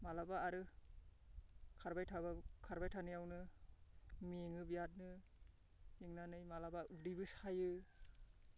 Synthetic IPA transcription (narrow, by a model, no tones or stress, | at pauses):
malabaːɾɯ | kʰaɾbajtʰabakʰaɾbajtʰanɯjawnɯ | meŋɯbijat̚nɯ | eŋnanɯjmalabaudibɯsajɯ